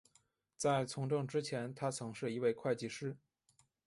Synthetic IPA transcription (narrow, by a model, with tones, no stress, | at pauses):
t͡sa˥˩ɪt͡sʰʊ˧˥ŋʈ͡ʂɤ˥˩ŋʈ͡ʂɻ̩˥t͡ɕʰjɛ˧˥nt̪ʰa˥t͡sʰɤ˧˥ŋʂɻ̩˥˩i˧˥we˥˧ɪkʰwa˥˧ɪt͡ɕi˥˩ʂɻ̩˥